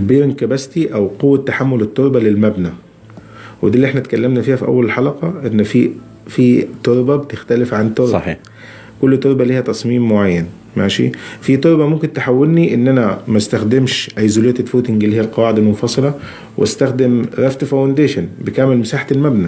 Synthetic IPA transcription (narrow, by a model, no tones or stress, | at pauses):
beːɾŋkæbæst̪iʔæwqowːæt̪ːaħamːolet̪ˤːoɾˤbælelmæbnæ | wed̪iːlːiʔeħnæt̪kælːæmnæfiːhæfiʔæ̰wːællħɑlɑqɑʔenːfi | fit̪oɾˤbæbet̪ɪxt̪ælɪfʕant̪osɾɑ̰ː | kolːt̪ːoɾˤbæliːhæt̪ɑsˤmiːmːoʕajːæn | mæːʃḭfit̪ˤoɾˤbæmʊmkɪnt̪eħawːelniʔɪnːʔænæmæst̪æxd̪emʃʔæjːzolejːæt̪etfuːt̪ɪŋɡlːihiːælqɑwaːʕed̪ælmofɑsˤɨlɑ | wʔʔæst̪æxd̪ɪmɾˤæft̪fawnd̪eːʃænbɪkæmelmɪsaːħḁt̪lmæbnæ